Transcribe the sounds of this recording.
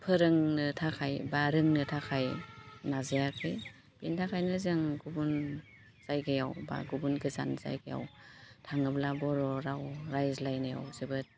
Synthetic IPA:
pʰɯɾɯŋnɯtʰakʰajbaɾɯŋnɯtʰakʰajnazajakʰɯj | b̥intʰakʰajnɯzɯŋɡubun | z̥ajɡɯja̰wba̰ɡubunɡɯza̰nza̰jɡaja̰wtʰaŋɯblabɔɾɔɾawɾajzlajnɯja̰wzɯbɯt̚

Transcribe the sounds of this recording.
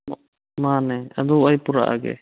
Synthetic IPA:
manɛad̪ɔajpuɾa̰ʔa̰ɡɛ̰

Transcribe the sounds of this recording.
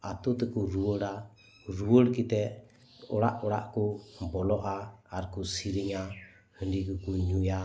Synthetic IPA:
at̪ut̪ɛkuɾuəɽa | ɾuəɽkit̪ɛ | ɔɽaʔɔɽa̰ʔkumbɔlɔʔaːɾkusiɾiŋa | həndikukuɲuja

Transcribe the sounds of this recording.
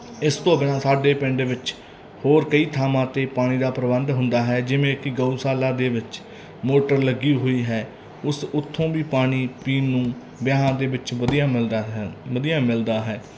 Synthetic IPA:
ɪst̪õːbɪnãːsaːɖeːpɪɳɖʋɪt͡ʃ | hoːɾkəiːt̪ʰaːmãːt̪eːpaːɽ̃iːd̪aːpɾəbənd̪ɦʊ̃nd̪aːɦɛːd͡ʒɪʋẽːkɪɡəuːsaːlaːd̪eːʋɪt͡ʃ | moːʈəɾləɡiːɦoːiːɦɛː | ʊsʊt̪ʰːõːʋiːpaːɽiːpiːnːũː | bjaːãːd̪eːʋɪt͡ʃəd̪ijaːɪləd̪ijãːmɪld̪aːɦɛː

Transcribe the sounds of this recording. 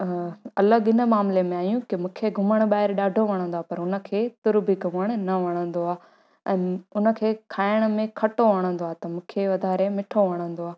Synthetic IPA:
ɐlaɠɪnə̆maːmlemẽaːjũkɪmũːkʰeɡʱʊməɽ̃ɓaːɦɪɾɗaːɖʱoʋɐɽ̃ə̃nd̪oaːpɐɾʊnə̆kʰeːt̪ʊɾbiɡʱʊməɽ̃nɐʋɐɽ̃ə̃nd̪oaː | ɛ̃ːʊnə̆kʰeːkʰaːɪɽ̃ʊmẽkʰɐʈoʋɐɽ̃ə̃nd̪oaːt̪ɐmũːkʰeʋɐd̪ʱaːɾemɪʈʰoʋɐɽ̃ə̃nd̪oaː

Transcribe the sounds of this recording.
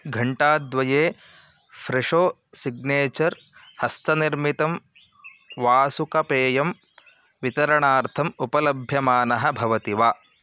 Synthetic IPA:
ɡʱɐɳʈaːd̪ʋɐjeː | fʰɾeʂoː | siɡneːt͡ʃɐɾ | hɐst̪ɐniɾmit̪ɐm | ʋaːsukɐpeːjɐm | ʋit̪ɐɾɐɳaːɾt̪ʰɐmupɐlɐbʱjɐmaːnɐɦɐbʱɐʋɐt̪iʋaː

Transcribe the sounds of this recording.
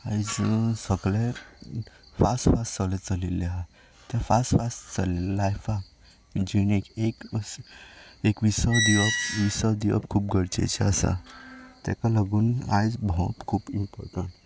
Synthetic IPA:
aid͡zsəɡle | fasʈfast͡səlet͡səlilːea | t̪ãfasʈfast͡səlilajfa | d͡ʑinekek | ekʋisad̪iəpʋisad̪iɔ̰pkʰuːp̚ɡʱəɽt͡ɕḛt͡ɕɛ̰əsa̰t̪ɛ̰̃kalaɡuːna̰jd͡zbʱɔ̃t̪kʰuːbimpɔ̰ɾʈəɳʈ

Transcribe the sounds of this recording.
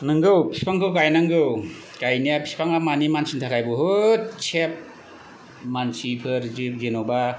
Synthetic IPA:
nɯŋɡɯwpʰi̥spaŋkʰɯwɡajnaŋɡɯw | ɡajnijapʰi̥spaŋamanimansintʰakʰajbɔɦɯt̚t͡ʃʰep̚ | mansipʰɯɾzip̚zenɔba

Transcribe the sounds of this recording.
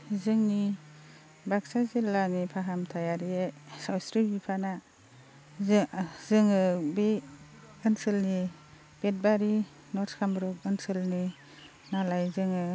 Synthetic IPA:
zɯŋni | baksazilːanipʰaɦamtʰajaɾiesawsɾibipʰana | zzɯŋɯbi | ɯnsɯlni | b̥et̚baɾi | nɔɾtkʰambɾɔk̚ɯnsɯlni | nalajzɯŋɯ

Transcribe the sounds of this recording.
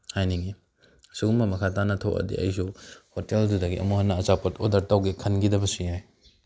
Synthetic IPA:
hajniŋi | suɡuŋbɐmɐkʰatanɐtʰowʔɐ̰dḭɐ̰jsuhoteldudɐɡiʔɐ̰muhɐnːɐɐt͡ʃapɐtodɐɾtawɡekʰɐnɡidɐbɐsihaj

